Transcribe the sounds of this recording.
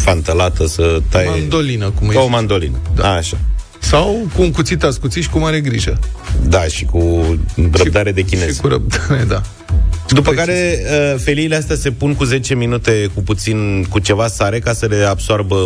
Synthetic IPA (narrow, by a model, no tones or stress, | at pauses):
fant̪əlat̪əsət̪ajnd̪olinəkumomand̪o̞lḭnəd̪aaʃa | sawkuuŋkut̪sit̪askut̪siʃi̥kumaɾeɡɾiʒəd̪aʃiku | rəd̪aɾe̞d̪e̞kʲine̞z̥uɾə̰p̚d̪aɾed̪a | d̪upəkaɾe̞əfe̞liːleast̪ease̞punkuze̞t͡ʃe̞minut̪e̞kuput̪sinkut͡ʃe̞vasaɾe̞kasəle̞absoorbə